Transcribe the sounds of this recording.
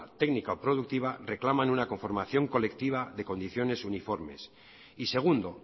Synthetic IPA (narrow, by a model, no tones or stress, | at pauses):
t̪e̞ɡnikaopɾo̞ð̞uk̚t̪iβ̞are̞klamanunakoɱfo̞ɾmaθjo̞ŋko̞le̞kt̪iβ̞aðe̞ko̞nd̪iθjo̞ne̞sunifo̞ɾme̞s | ise̞ɣ̞und̪o̞